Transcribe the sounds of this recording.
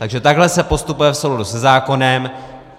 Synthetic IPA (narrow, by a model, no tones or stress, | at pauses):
t̪aɡʒɛt̪aɡɦlɛsɛpo̞st̪upujɛfsowladusɛzaːko̞nɛm